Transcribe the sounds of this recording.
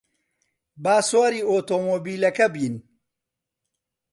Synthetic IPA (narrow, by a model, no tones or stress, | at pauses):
baːswaːɾiːoːt̪oːmoːbiːlɐkɐbiːn